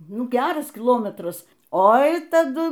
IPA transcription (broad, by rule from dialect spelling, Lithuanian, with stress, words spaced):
ˈnʊ ˈɡʲæːrɐs kʲɪˈlˠoːmʲɛtrɐs ˈoːɪ tɐˈdʊ